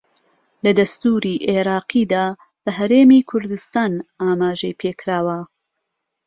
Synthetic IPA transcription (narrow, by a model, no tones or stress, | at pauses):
lɐd̪ɐst̪uːɾiːʔeɾɑːqiːd̪aː | bɐɦɐɾe̞ːmiːkʰʊɾd̪ɨst̪aːnaːmaːʒɐjpʰeːkʰɾaːwɐ